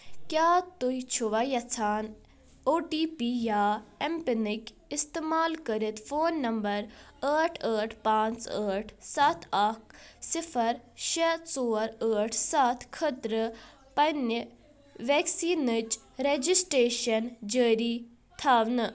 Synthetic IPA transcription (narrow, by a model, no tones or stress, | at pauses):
kjaːt̪uit͡ʃʰuʋajɐt͡sʰaːn | oːʈiːpiːjaːempinik | ɪst̪eːmaːlkəɾit̪foːnːɐmbɐɾəːʈʰəːʈʰpãːnt͡səːʈʰsat̪ʰak̚ʰsɪfʰəɾʃesoːɾəːʈʰsat̪ʰkʰət̪ɾə | pɐnə | ʋeːksiːnət͡ʃ | ɾed͡ʒisʈɾeːʃɐnd͡ʒəːɾiː | t̪ʰaːʋnɨ